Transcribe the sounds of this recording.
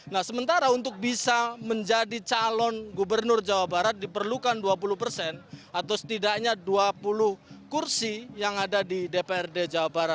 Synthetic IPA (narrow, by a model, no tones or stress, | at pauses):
nahsəmənt̪aɾaunt̪ʊk̚bisaməɲd͡ʒadit͡ʃalɔnɡubərnʊrd͡ʒawabaɾat̪̚dipərlukanduap̬ulʊhpərsɛnat̪awsə̥t̪idakɲaduapulʊhkursijaŋadadidepeɛrded͡ʒawabaɾat̪̚